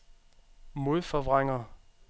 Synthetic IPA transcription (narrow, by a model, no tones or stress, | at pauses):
mo̝ðˠfɒʋʁaŋ̰ɐ